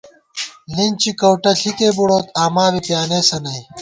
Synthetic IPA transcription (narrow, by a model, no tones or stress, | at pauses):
lint͡ɕikɐwʈɐɬikeːbuɽoːt̪aːmaːbipjaːneːsɐnɐj